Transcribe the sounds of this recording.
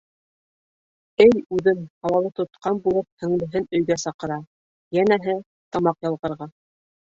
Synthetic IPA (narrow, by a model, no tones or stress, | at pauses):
ɘjʉðɘnɑwɑlˠɤt̪ŏt̪qɑnbulˠɤp̚hɵ̆ŋlɘ̆ɦɘnɵ̆jɡæsɑqɤ̆ɾɑ | jænæɦɘ | t̪ɑmɑqjɑ̆lˠʁɤ̆ɾʁɑ